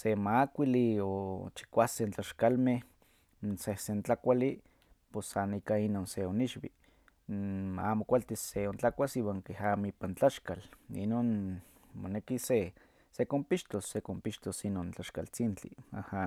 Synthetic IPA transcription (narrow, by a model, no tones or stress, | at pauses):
semakʷiliot͡ʃi̥kʷasent͡ɬaʃkalmeh | sehsent͡ɬakʷali | posːanikainoːnseoniʃwḭ | maamokʷalt̪iseont͡ɬakʷasiːwaːŋkehamoipant͡ɬaʃkalḭnoːn | monekise | sekompiʃt̪osːekompiʃt̪osinoːnt͡ɬaʃka̰lt͡sint͡ɬḭa̰ha